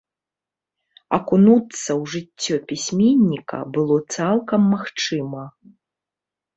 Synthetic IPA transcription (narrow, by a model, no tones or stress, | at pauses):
ɐ̰kunut̪sːɐwʐɨt͡sʲːɔpʲisʲmʲenʲːikɐ̰bɨlˠɔt̪salˠkɐmːaxt͡ʂɨmɐ